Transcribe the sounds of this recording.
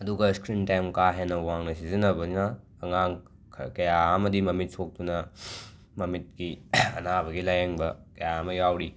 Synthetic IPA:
ɐduɡɐskɾintajmkaɦenɐwaŋnɐsizinɐbɐinaː | ŋaŋ | kʰkɐjaɐmɐdimɐmit̚sok̚dunɐ | mɐmit̚ɡiɐ̰nabɐɡilajeŋbɐkɐjaɐmɐjawɾi

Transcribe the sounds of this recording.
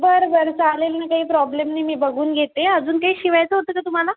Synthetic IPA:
bəɾbəɾt͡saɦlelnakaɦiːpɾɔblemniːmiːbəɡuːnɡʱet̪eəd͡zuːnkaɦiːɕiʋajt͡səɦot̪əːkat̪um̤ala

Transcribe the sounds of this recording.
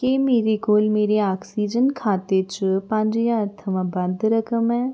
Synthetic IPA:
kemeːɾekoːlmeːɾeaːksiːd͡ʒənkʰaːt̪et͡ʃpə̃ɲd͡ʒjãət̪ʰəʋãbənd̪ɾəkʰəmɛː

